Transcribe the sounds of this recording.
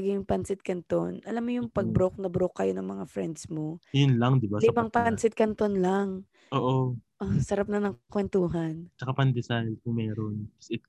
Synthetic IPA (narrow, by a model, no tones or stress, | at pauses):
ɡɪŋjʊŋpɐnsɪt̪̚kɐnt̪onʔɐlamːojʊŋpɐɡ̚bɾok̚nɐbɾokːɐjonɐŋmɐŋafɾɛnd̪smo̞jʊnlɐŋd̪ɪbalɪmaŋpansɪt̪̚kɐnt̪onlaŋ | ʔoːʔoʔosɐɾap̚nɐnɐŋkwɛnt̪uːɦɐnt͡ʃɐkapɐŋd̪ɛsajlkʊŋmɛːɾonsɪk